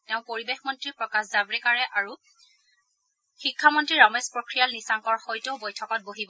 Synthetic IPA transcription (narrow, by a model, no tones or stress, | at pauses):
tɛʊ̃poɹibexmɔntɹipɹɔkaszabɹɛkaɹɛʔaɹu | xikʰːamɔntɹiɹɔmespɹokɹijalnisaŋkɔɹxɔjtoʊbɔjtʰɔkɔt̚boɦibɔ